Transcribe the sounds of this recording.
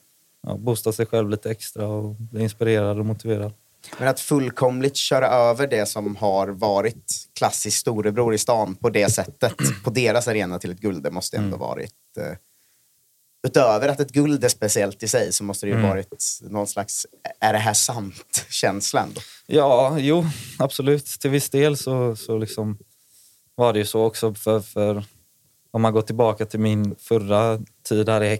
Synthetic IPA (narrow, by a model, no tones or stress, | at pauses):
ɑ̰buːst̪asɛjɧɛlvliːt̪əɛkst̪ɾaɔb̪ɪɪnspɪɾeːɾad̪ɔmʊt̪ɪveːɾad̪ | mɛnat̪fɵlːkʰɔmlɪt̪ɕœːɾaʔøːvəɖɛsɔmhaɾvɑːɾɪt̪kʰlasːɪskst̪uːɾəbɾuːɾɪst̪ɑːnpʰɔd̪ɛsɛt̪ːət̪pʰɔd̪eːɾasaɾeːnat̪ʰɪlɛt̪̚ɡɵld̪əmɔst̪əɛ̰nd̪o̰vɑ̰ːɾɪ̰t̪ | ʉ̟ːt̪øːvəɾat̪ɛt̪̚ɡɵld̪æspɛsɪɛlt̪ɪsɛjsɔmɔst̪əɾɛjɵvɑːɾɪt̪nɔɡnslaksæɖɛɦæʂamt̪ɕɛnslaɛ̰nd̪o̰ːjɑːjuːab̥sɔlʉ̟ːt̪t̪ʰːɪlvɪsd̪eːlsɔsɔlɪksɔm | vaɖɛjɵsɔɔksɔfœfœɾ | hɔmanɡɔt̪ʰːɪlbɑːkat̪ʰɪlmɪnfœɾat̪ʰiːd̪hæːɾɪhɛ